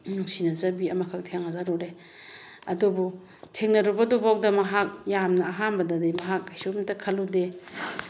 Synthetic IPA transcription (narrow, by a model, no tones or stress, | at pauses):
nuŋsinɐzabiɐmakʰak̚tʰeŋhazaɾɔɾe | ɐdubu | tʰeŋnɐɾɔbadɔbak̚dɐmɐɦak̚jamnɐːɦanbɐdadimaɦak̚ajsotɐkʰɐlude